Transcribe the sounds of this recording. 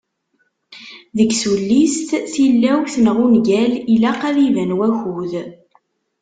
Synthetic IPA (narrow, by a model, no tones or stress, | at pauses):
ðəɡsulːist̪θilːæwθnʁunɡælilæqæðivænwæçuð